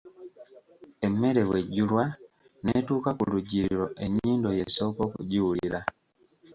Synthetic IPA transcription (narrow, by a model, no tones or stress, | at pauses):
eme̞ɾe̞weɟulwa | netuːkakuluɟiɾiɾo̞ʔe̞ɲiːndoje̞so̞kokṵɟiwuliɾa